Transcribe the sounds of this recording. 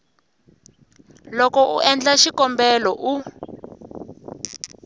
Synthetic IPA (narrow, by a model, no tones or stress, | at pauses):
lɔkɔʔuʔɛnd͡ɮaʃikɔmbɛlɔʔu